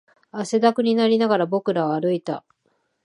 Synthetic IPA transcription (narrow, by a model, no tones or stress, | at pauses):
ase̞d̪akɯ̟ɲ̟inaɾʲinaɡaɾabo̞kɯ̟ɾaβaːɾɯ̟it̪a̰